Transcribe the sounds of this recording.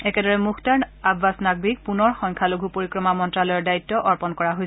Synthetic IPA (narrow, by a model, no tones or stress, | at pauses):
ɛkɛdɔɹɛmukʰtaɹnabʱːasnaɡ̚bik̚punɔɹxɔŋkʰaloɡʱupoɹikɹɔmamɔntɹalɔjɔɹdaitːɔʔɔɹpɔnkɔɹaɦojsɛ